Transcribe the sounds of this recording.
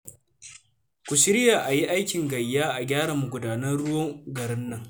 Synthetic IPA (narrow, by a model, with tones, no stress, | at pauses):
kʷʊ˨ʃɪ˦ɾɪ˦jaː˨ʔa˨ji˦ʔa˦jkʲɪ˨ŋɡɐ˨jːaː˦ʔa˨ɡʲaː˦ɽa˨mːu˨ɡʷʊ˨daː˨nɐ˦rɽʊ˦wɔ˦ŋɡɐ˨ɽɪ˦nːɐ˦˨ŋ